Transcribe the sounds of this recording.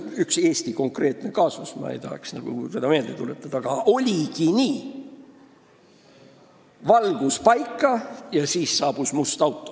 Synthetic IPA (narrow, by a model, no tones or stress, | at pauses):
ykse̞ːst̪iko̞ŋkre̞ːt̪ˑne̞kɑːsusmɑ̰ḛjt̪ɑhḛksnɑɡ̥ṵse̞d̪ɑme̞ːld̪e̞t̪ulet̪ːˑɑd̪̥ɑɡ̥ɑʔo̞lʲikiniː | vɑlɡ̥uspɑjkːˑɑjɑsiːsːɑːb̥usmust̪ɑwt̪ˑːo